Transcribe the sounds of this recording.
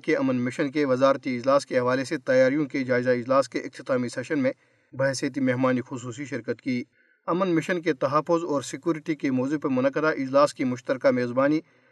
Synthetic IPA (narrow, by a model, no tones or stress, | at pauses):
keɐmənmɪʃənkeʋɐzaːɾt̪iɪd͡ʒlaːskeɦɐʋaːleset̪ɐjaːɾijõked͡ʒaːɪzaɪd͡ʒlaːskeʔɪk̚t̪ɪt̪aːmisɛːʃənmẽ | bɐɦsjət̪̬imeːɦmaːnixʊsuːs̬iʃɪɾkət̪kiː | ɐmənmɪʃənk̬et̪ɐɦaːfːʊzɔːɾsɪkjuːɾɪʈikemoːzupɐmʊnəkːəd̪aʔɪd͡ʒlaːskimʊʃt̪əɾkameːzbaːni